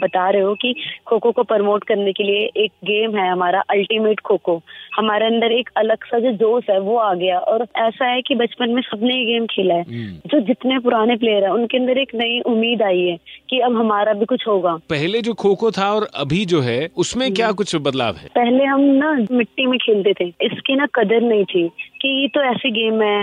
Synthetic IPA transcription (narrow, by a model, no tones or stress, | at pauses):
bɐt̪aːɾeɦokikʰoːkokopəɾmoːʈkɐɾnekelieʔeːk̚ɡeːmɦɛɦɐmaːɾaʔɐlʈimeːʈkʰoːkohɐmaːɾeɐ̃nd̪əɾeːkɐləɡsad͡ʒod͡ʒoːsɦɛʋoaːɡɐjaʔɔːɾɛːsaɦɛkibɐt͡ʃpənmẽsɐbneiɡeːmkʰeːlaɛːd͡ʒoːd͡ʒɪt̪nep̬ʊɾaːnep̬leːjəɾɦɛʊnkeɐ̃nd̪əɾeːknɐiʔʊmːiːd̪aːiɦɛːkiɐbɦɐmaːɾabʱikʊt͡ʃʰɦoːɡaːpɛɦled͡ʒoːkʰoːkot̪ʰaɔːɾɐ̰bʱid͡ʒoːɦɛʊsmẽkjaːkʊt͡ʃʰbɐd̪la̰ːʋɦɛ̰ːpɛɦleɦɐmnamɪʈːimẽkʰeːlt̪et̪ʰeɪskinakɐd̪əɾnɐɦĩt̪ʰiːkijet̪oɛːsiɡeːmɦɛ